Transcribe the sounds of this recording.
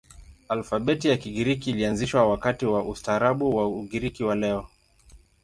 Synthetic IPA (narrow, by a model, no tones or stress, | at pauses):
alfaɓɛtijakiɠiɾikiːlianziʃwawakatiwaʔustaːɾaɓuwauɠiɾikiwalɛɔ